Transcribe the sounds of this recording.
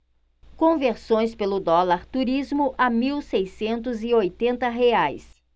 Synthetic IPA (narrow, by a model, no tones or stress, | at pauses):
kõveɾsõj̃spelʊd̪ɔlaɾt̪uɾizmʊʔamiwsejsẽnt̪̬ʊzɪojt̪ẽnt̪ɐɦeajs